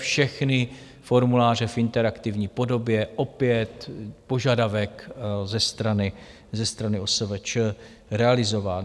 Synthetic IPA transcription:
fʃɛxnɪ | fo̞ɾmulaːr̝ɛfɪnt̪ɛɾakt̪ɪvɲiːpo̞do̞bjɛʔo̞pjɛt̪po̞ʒadavɛkzɛst̪ɾanɪ | zɛst̪ɾanɪosɛvɛt͡ʃə | ɾɛalɪzo̞vaː

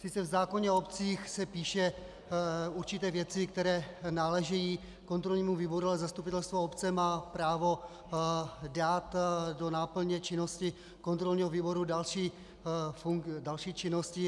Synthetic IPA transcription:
sɪt͡sɛvzaːko̞ɲɛopt͡siːxsɛpiːʃɛ | uɾt͡ʃɪt̪ɛːvjɛt͡sɪkt̪ɛɾɛːnaːlɛʒɛjiː | kont̪ɾo̞lɲiːmuviːbo̞ɾualɛzast̪upɪt̪ɛlst̪voopt͡sɛmaːpɾaːvo̞ | daːt̪do̞naːpl̩ɲɛt͡ʃɪno̞scɪ | ko̞nt̪ɾo̞lɲiːɦoviːbo̞ɾudalʃiː | fudalʃiːt͡ʃɪnoscɪ

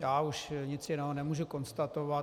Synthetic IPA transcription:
jaːuʃɲɪt͡sjɪnɛɦonɛmuːʒuko̞nst̪at̪ova

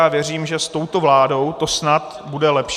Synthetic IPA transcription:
aːvjɛr̝iːmʒɛst̪o̞wt̪o̞vlaːdo̞wt̪o̞snat̪ | budɛlɛpʃ

